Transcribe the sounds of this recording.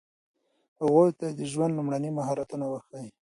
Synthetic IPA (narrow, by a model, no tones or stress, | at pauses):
haɣojt̪ad̪əʒwand̪lumɽanimaɦɑɾat̪unawaxaji